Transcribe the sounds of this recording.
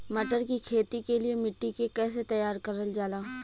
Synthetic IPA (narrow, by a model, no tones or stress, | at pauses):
mɐʈəɾkikʰeːt̪ikeliemɪʈːikekɛːset̪ɐjaːɾkɐɾəld͡ʒaːlaː